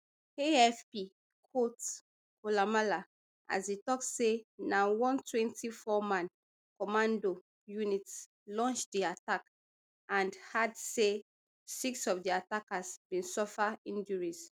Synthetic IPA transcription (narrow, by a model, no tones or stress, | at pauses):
eɛfpi | kʰot | kʰolamala | ʔa̰zitɔk̚tsenawɔ̃ntwɛ̃ntʰifɔmãn | kɔmãndo | junit | lɔ̃nt͡ʃdiatak | ãndhadse | siksɔvdiatakasb̥ĩnsɔfaĩnd͡ʒuɹis